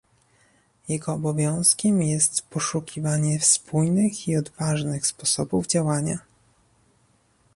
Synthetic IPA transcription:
jɛɡɔːbɔvʲjɔ̃w̃skʲɛmjɛst̪pɔʂukʲʰivaɲɛfspujnɘxiɔd̪vaʐnɘxspɔsɔbuvd͡ʑawaɲa̰

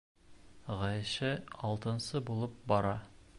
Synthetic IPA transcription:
ʁɒjʃɘɒlˠt̪ɤ̆nsɤbulˠɤp̚bɒɾɑ

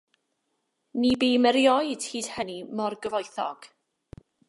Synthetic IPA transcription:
nibemɛɾjɔɨd̥hiːd̥hənimɔrɡəvɔjθɔ̰ɡ̥

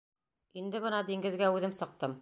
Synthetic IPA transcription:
ind̪ɘβɤnɑd̪iŋɡɘ̆ðɡæʉðɘmsɤ̆q̚t̪ɤm

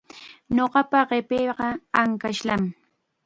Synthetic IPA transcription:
ɲoɢɑpaɢepeːɢɑaŋkaʃlam

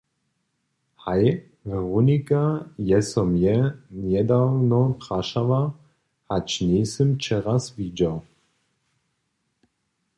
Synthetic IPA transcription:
haj | ʁunikʼajɛsɔmjɛnjɛd̪awnɔpχaʃava | hat͡ʃnʲesɨmt͡ʃʰɛʁasvid͡ʒaw

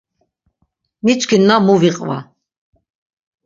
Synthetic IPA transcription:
nit͡ʃʰʼkʰinːamuviqʼva̰

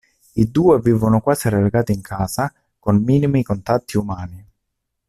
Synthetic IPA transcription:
id̪uːeviːvʊnʊkwaːsiɾeleɡaːt̪iiŋkʰaːsa | konmiːnimikont̪at̪ːiumaːni

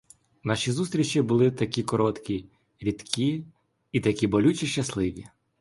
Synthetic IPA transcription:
nɑʃʲizust̪ɾʲit͡ʃʲibʊlˠɪt̪ɐkʲikɔɾɔt̪kʲi | ɾʲit̪kʰʲi | it̪ɐkʲibɔlʲut͡ʃʲiʃt͡ʃɐslˠɪʋʲi

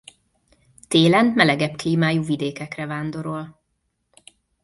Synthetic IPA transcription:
t̪eːlɛnmɛlɛɡɛpkliːmaːjuːvid̪eːkɛkrɛvaːnd̪o̞ɾol

